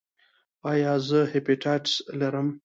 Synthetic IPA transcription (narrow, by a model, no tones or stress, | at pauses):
ɑjɑzəhepiʈʰaʈslaɾəm